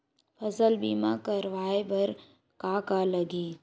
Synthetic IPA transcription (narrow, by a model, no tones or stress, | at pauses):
pʰɐsəlbiːmakɐɾʋaːebʱɐɾ | kaːkalɐɡiː